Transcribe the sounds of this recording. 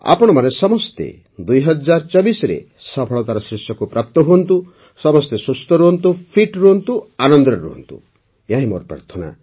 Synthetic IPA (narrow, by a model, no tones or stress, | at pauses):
a̰pɔɽ̃ɔmanesɔmɔst̪ḛ | d̪ujɦɔd͡ʒaɾt͡ʃɔbisɔɾḛ | sɔpʰɔɭɔt̪aɾɔsɾisjɔkupɾap̚t̪ɔɦuɔnt̪u | sɔmɔst̪esust̪ɔɾuɔnt̪upʰiʈɾuɦɔnt̪uanɔnd̪ɾɔɾṵɦɔ̰nt̪ṵ | jãɦĩmo̰ɾpɾa̰ɾt̪ʰɔna̰